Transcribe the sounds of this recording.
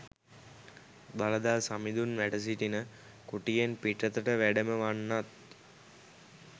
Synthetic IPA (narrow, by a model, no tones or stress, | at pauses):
baləd̪alsamid̪unʋæʈəs̬iʈinə | kuʈijenpiʈət̪əʈəʋæɖəməʋanːat̪̚